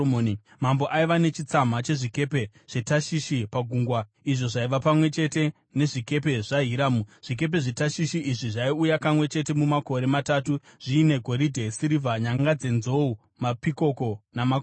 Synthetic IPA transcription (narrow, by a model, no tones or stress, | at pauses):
oːni | mambo̞ʔaiʋane̞t͡ʃit͡sam̤at͡ʃe̞ʐike̞pe̞ | ʐ̥etaʃiʃipaɡʱuːŋɡwa | iʐo̞ʐaiʋapamwe̞t͡ʃe̞te̞ | ne̞ʐike̞p̬e̞ʐaɦiɾaːmuʐ̥ik̬e̞p̬e̞ʐetaʃiʃiʔiʐiʐaiujakamwe̞t͡ʃe̞t̬e̞mumako̞ɾe̞matatuʐ̥iːne̞ɡʱo̞ɾidʱesiɾivʱaɲaŋɡad͡ze̞nzo̞u | mapiko̞ko̞namak